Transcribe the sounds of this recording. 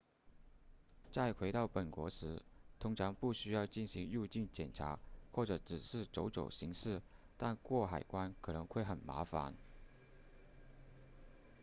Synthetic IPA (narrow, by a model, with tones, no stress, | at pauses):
t͡sa˥˩ɪkʰwe˧˥ɪt̪ɑ˥˩ʊpə˨˩nkwɔ̰˧˥ʂɻ̩˧˥t̪ʰʊ˥ŋʈ͡ʂʰɑ˧˥ŋpu˥˩ɕy˥jɑ˥˧ʊt͡ɕi˥˩nɕi˧˥ŋu˥˧t͡ɕi˥˩nt͡ɕjɛ˨˩nʈ͡ʂʰa̰˧˥xwɔ˥˩ʈ͡ʂɤ˨˧˩ʈ͡ʂɻ̩˨˩ʂɻ̩˥˩ʈ͡ʂo˧˥ʊʈ͡ʂo̰˨˩ʊɕi˧˥ŋʂɻ̩˥˩ | t̪a˥˧nkwɔ˥˩xa˨˩ɪkwa˥nkʰɤ˨˩nɤ˧˥ŋxwe˥˩ɪxə˨˩nma̰˧˥fa̰˧˥n